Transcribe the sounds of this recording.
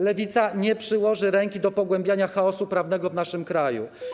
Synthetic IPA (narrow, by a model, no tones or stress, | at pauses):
lɛvʲit̪saɲɛpʂɘwɔʐɘɾɛŋkʲid̪ɔpɔɡwɛmbʲjaɲaxaɔsupɾavnɛɡɔvnaʂɘmkɾajṵ